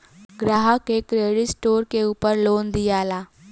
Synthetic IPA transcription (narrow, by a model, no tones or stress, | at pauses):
ɡɾaːɦəkekɾeːɽɪʈsʈoːɾkeuːpəɾloːnd̪ijaːlaː